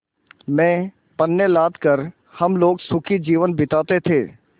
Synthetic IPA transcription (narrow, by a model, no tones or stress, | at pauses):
mɛ̃ː | pənːelaːd̪kəɾ | hɐmloːɡsʊkʰid͡ʒiːʋənbɪt̪aːt̪et̪ʰeː